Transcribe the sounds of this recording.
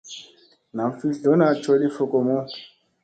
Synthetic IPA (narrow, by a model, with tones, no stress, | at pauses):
na˨mfi˦ɮo˨˦na˨t͡ʃo˦li˦fo˨ko˨mo˦